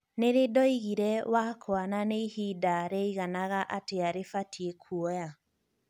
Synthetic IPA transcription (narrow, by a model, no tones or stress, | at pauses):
neɾedɔiɣiɾɛwakʰoananeihidaɾɛiɣanaɣaʔateaɾefatʰiekʰuɔja